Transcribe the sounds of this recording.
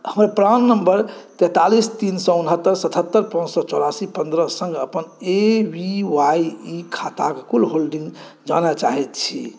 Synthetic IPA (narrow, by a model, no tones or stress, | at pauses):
həmɾapɾanːəmbəɾt̪ɛt̪alist̪insɔunɦət̪ːəɾsət̪ʰət̪ːəɾpə̃nd͡ʒsɔt͡ʃolasipənd̪ɾəsə̃ŋɡəpənebiwajikʰat̪akekulɦolɖĩŋɡ | d͡ʒa̰nat͡ʃaɦɛt̪t͡ʃʰi